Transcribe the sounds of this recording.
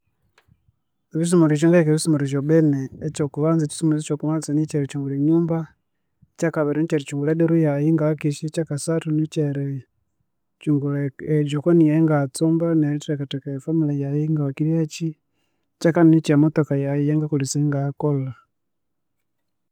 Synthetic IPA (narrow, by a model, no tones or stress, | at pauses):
βis̬umuɾiʃ̬ɔŋɡaikɛβisumuɾiʃɔɓɛnɛːt͡ʃɔkuβanzat͡ʃi̥sumuzit͡ʃɔkuβansanit͡ʃɛɾɛt͡ʃuŋɡuliɲuːmba | t͡ʃakaβɛɾinit͡ʃɛɾit͡ʃuŋɡulɛdɛɾujaiŋɡaakiʃit͡ʃakasatunit͡ʃɛɾɛ | t͡ʃuŋɡulɛd͡ʒukɔnijaŋɡat͡sumbanaitiɾakatɛkafamilajaiŋɡawakiɾjat͡ʃi | t͡ʃakaninit͡ʃamɔtɔkajajɛŋɡakulisɛŋɡakola